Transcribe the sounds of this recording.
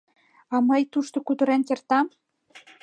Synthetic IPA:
ɑmɤjt̪uʃt̪ŏkud̪ɤ̆ɾænkert̪ɑm

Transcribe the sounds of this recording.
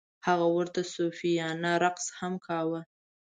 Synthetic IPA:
haɣawəɾt̪asofijɑnaɾaqshamkʰɑwa

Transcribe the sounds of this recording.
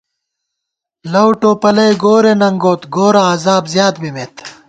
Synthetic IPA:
lɐwʈoːpɐlɐjɡoːɾenɐŋɡoːt̪ɡoːɾaːzaːbzjaːt̪mimeːt̪

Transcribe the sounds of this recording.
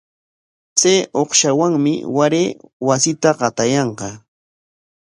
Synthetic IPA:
t͡sajoqʃawaŋmɪ̰waɾeːwasɪt̪aɢɑt̪ajɑɴqɑ

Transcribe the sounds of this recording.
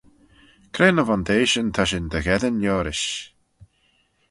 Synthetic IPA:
kʰɾeːnəvand̪eːʃənt̪ʰaʃɪnd̪əɣɛðənjɔːɾɪʃ

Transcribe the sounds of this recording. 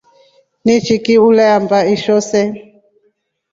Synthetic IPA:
nit͡ʃikiulɛambaiʃɔsɛ

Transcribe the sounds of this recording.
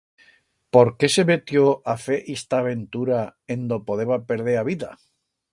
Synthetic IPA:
po̞ɾke̞seβet̪joafe̞ʔist̪aːβ̞e̞nt̪uɾaend̪opoðeβape̞ɾð̞eɾaβiða

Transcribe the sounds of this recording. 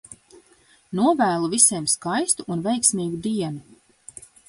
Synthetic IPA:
nuɔvæːlˠuvisejmskajst̪uʔːnvejksmiːɡud̪iɛnu

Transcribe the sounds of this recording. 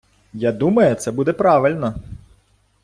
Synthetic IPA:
jad̪umɐjʊt̪sɛbud̪ɛpɾɑʋɪlʲnɐ

